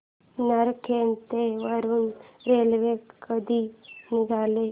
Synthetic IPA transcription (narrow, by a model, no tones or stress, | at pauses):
nəɾkʰeːnt̪eʋəɾunɾeːlʋekəd̪iniɡʱaːle